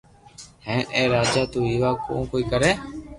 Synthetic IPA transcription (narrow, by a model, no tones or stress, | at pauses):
hẽːẽːɾaːd͡ʒaːt̪uːiːʋaːkõ̰ːkoːiːkəɾɛː